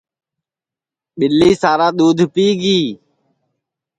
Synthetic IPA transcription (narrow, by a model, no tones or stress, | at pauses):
ɓɪliːsaːɾaːɗ̪uːd̪ʱpiːɡiː